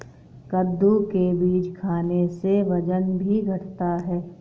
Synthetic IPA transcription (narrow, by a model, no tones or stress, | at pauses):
kəd̪ʱːukebiːd͡ʒkʰaːneseʋɐd͡ʒənbʱiɡʱɐʈʰt̪aɦɛː